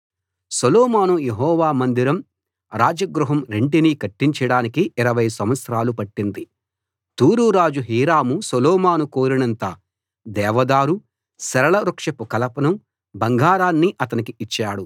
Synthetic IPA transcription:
sɐlɔːmaːnujeɦɔːʋaːmɐnd̪iɾɐm | ɾaːd͡ʒɐɡɾuɦɐmɾe̞ɳʈinikɐʈːiɲt͡ʃɐɽaːnikiiɾɐʋɐjsɐmʋɐt̪sɾaːlupɐʈːind̪i | t̪uːɾuɾaːd͡ʒuɦiːɾaːmusɐlɔːmaːnukoːɾinɐnt̪ɐ | d̪ɛːʋɐd̪aːɾu | sɐɾɐɭɐɾukʂɐpukɐlɐpɐnɐm | bɐŋɡʱaːɾaːnːiʔɐt̪ɐnikiit͡ʃːaːɽu

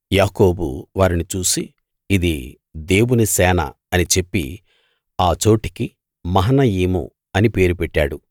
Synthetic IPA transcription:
jaːko̞ːbṵʋaːɾinit͡ʃuːsiː | d̪i | d̪e̞ːwunisɛːnɐ̰ | ɐnit͡ʃe̞pːḭ | aːt͡ʃo̞ːʈi̥ki | mɐɦɐnɐjiːmṵ | ɐnipe̞ːɾupɛʈːa̰ːɽu

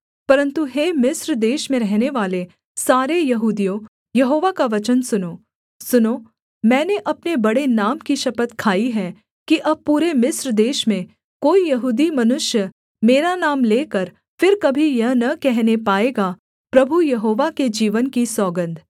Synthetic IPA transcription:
pɐɾə̃nt̪uɦeːmɪsɾd̪eːʃmẽɾɛɦneʋaːle | saːɾejɐɦuːd̪ijõ | jɐɦoːʋakaʋɐt͡ʃənsʊnoː | sʊnoː | mɛ̃ːneʔɐpnebɐɽenaːmkiʃɐpət̪kʰaːiɦɛː | kiʔɐb̚puːɾemɪsɾd̪eːʃmẽ | koːijɐɦuːd̪imɐnʊʃjə | meːɾanaːmleːkɐɾ | fɪɾkɐbʱijɐɦnɐkɛɦnepaːeːɡa | pɾɐbʱujɐɦoːʋaked͡ʒiːʋənkisɔːɡə̃nd̪ʱ

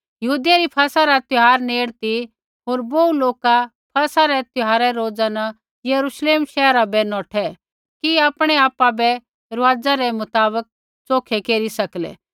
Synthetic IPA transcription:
jɐɦuːd̪ɪjaɾipʰaːsaɾat̪ɪɦaːɾneːɽt̪i | ɦoːɾbouloːka | pʰɐːsaɾɛt̪ʊɦaːɾɛɾoːd͡zanɐ | jɐɾuːʃleːmʃɛːɾabɛnɔːʈʰɛ | kiaːpɽ̃ɛaːpabɛ | ɾɐʋaːd͡zaɾɛmʊt̪aːbək̚ | t͡soːkʰɛkeːɾisɐklɛ̰ː

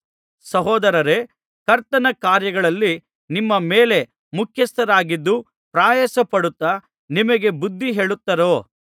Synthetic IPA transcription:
sɐɦɔːd̪ɐɾɐɾe̞ | kɐɾt̪ɐnɐkaːɾjɐɡɐɭɐlːi | nimːɐmeːle̞ | mukʰjɐst̪ɐɾaːɡid̪ːu | pɾaːjɐsɐpɐɽut̪ːɐ | nimɐɡe̞bud̪ʱːiɦe̞ːɭut̪ːɐɾo̞ː

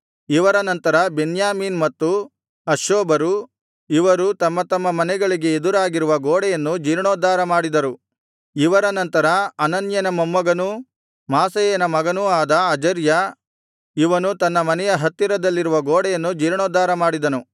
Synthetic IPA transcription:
iʋɐɾɐnɐnt̪ɐɾɐbenjaːmiːnmɐt̪ːu | ɐʃoːbɐɾu | iʋɐɾut̪ɐmːɐt̪ɐmːɐmɐnɛɡɐɭiɡe̞ed̪uɾaːɡiɾuʋɐɡoːɽɛjɐnːud͡ʒiːɾɳoːd̪aːɾɐmaːɽid̪ɐɾu | iʋɐɾɐnɐnt̪ɐɾɐɐnɐnjɐnɐmɐmːɐɡɐnu | maːsɐjeːnɐmɐɡɐnuaːd̪ɐːd͡ʒɐɾjɐ | iʋɐnut̪ɐnːɐmɐnɛjɐɦɐt̪ːiɾɐd̪ɐlːiɾuʋɐɡoːɽɛjɐnːud͡ʒiːɾɳoːd̪aːɾɐmaːɽid̪ɐnu

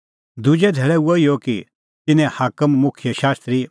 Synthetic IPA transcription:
d̪ʊd͡ʒɛd̪ʱeːɭɛuoijoki | t̪ɪnɛ̃haːkəmːʊkʰjəʃaːst̪ɾi

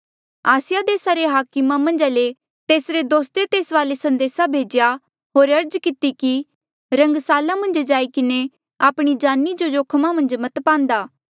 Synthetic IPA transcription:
aːsɪjad̪eːsaɾeɦaːkɪmãmɐ̃nd͡ʒaːle | t̪eːsɾed̪oːst̪et̪eːsʋaːlesɐ̃nd̪eːsabʱeːd͡ʒja | ɦoːɾɐɾd͡ʒkɪt̪iki | ɾɐ̃ŋɡsaːlãmɐ̃nd͡ʒd͡ʒaːikɪne | aːpɽ̃id͡ʒaːnːid͡ʒod͡ʒoːkʰmãmɐ̃nd͡ʒmɐt̪pãːnd̪aː

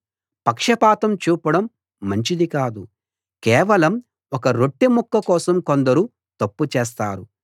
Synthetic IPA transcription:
pɐkʂɐpaːt̪ɐmt͡ʃuːpɐɽɐmː | ɐɲt͡ʃid̪ikaːd̪u | kɛːʋɐlɐm | ɔkɐɾo̞ʈːimukːɐkɔːsɐmkond̪ɐɾuː | t̪ɐpːut͡ʃeːs̬t̪aːɾu

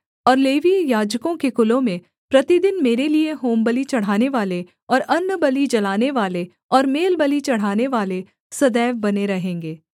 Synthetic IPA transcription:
ɔːɾleːʋijaːd͡ʒkõkekʊlõmẽ | pɾɐt̪id̪ɪnmeːɾelieɦoːmbəlit͡ʃɐɽ̤aːneʋaːle | ɔːɾɐnːəbɐlid͡ʒɐlaːneʋaːle | ɔːɾmeːlbəlit͡ʃɐɽ̤aːneʋaːle | sɐd̪ɛːʋbɐneɾɐɦẽːŋɡeː

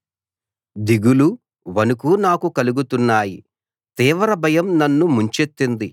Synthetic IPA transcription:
d̪iɡulu | ʋɐnukunaːkukɐluɡut̪unːaːji | t̪iːʋɐɾɐbʱɐjɐmnɐnːumuɲt͡ʃet̪ːind̪i

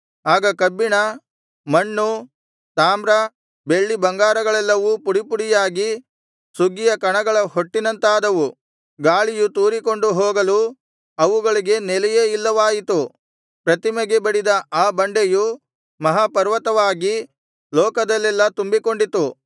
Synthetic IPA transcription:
aːɡɐkɐbːiɳɐ | mɐɳːu | t̪aːmɾɐ | be̞ɭːibɐŋɡaːɾɐɡɐɭɛlːɐʋupuɽipuɽijaːɡi | suɡijɐkɐɳɐɡɐɭɐɦo̞ʈːinɐnt̪aːd̪ɐʋu | ɡaːɭijut̪uːɾiko̞ɳɖuɦɔːɡɐlu | ɐʋuɡɐɭiɡe̞nɛlɛjeilːɐʋaːjit̪u | pɾɐt̪imeɡebɐɽid̪ɐʔaːbɐɳɖeju | mɐɦapɐɾʋɐt̪ɐʋaːɡi | lɔːkɐd̪ɐlːɛlːɐt̪umbiko̞ɳɖit̪u

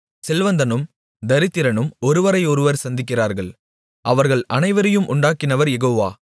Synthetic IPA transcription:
sɛlʋɐnd̪ɐnɯm | d̪ɐɾɪt̪ːɪɾɐnɯmɔɾɯʋɐɾɐɪɔɾɯʋɐɾsɐnd̪ɪk̬ːɪraːɾɣɐɭ | ʔɐʋɐɾɣɐɭɐnɐɪʋɐɾɐjɯmʔʊɳɖaːkːɪnɐʋɐɾjɛɣoːʋaː

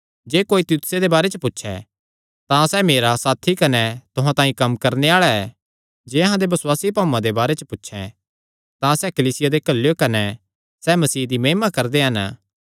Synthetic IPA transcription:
d͡ʒeːkoːit̪juːt̪ʊ̥sed̪ebaːɾɛt͡ʃəpʊtːʃʰɛ̰ | t̪ãsɛmeːɾasaːt̪ʰikɐnɛt̪ʊɦãt̪ãːĩkɐmkɐɾneaːɭaɛ | d͡ʒeːɐɦãd̪ebɐswaːsipaːmːãd̪ebaːɾɛt͡ʃəpʊtːʃʰɛ̰ | t̪ãsɛkɐliːsɪjad̪ekɐlːjokɐnɛ | sɛːmɐsiːd̪imeːmakɐɾd̪eɦɐn

